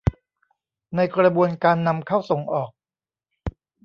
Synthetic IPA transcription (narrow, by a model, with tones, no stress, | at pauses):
na˧jkɾa˧bu˧ənkaː˧nːa˧mkʰa˥˩wso˩˦ŋʔɔː˨˩k̚